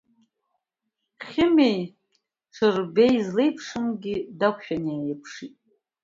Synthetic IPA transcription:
χʲɪme̞j | ʂʰɨrbejzlejpʰʂɨmɡʲɪdakʷʰʃᶣanejɪpʰʂitʼ

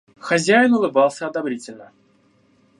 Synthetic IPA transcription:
xɐzʲæjɪnʊlˠɨbɑlˠsʲəɐd̪ɐbɾʲitʲɪlʲnə

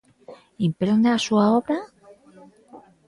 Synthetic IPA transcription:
impɾend̪asuaoβɾa

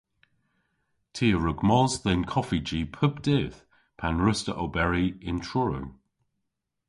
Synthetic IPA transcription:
tʰiːəɹʊɡmɔzðɛnkʰɔfid͡ʒiːpʰəbd̥eːθ | pʰanɹəstəʔobɛɹiɪ̃ntʰɹɔɹə̰w

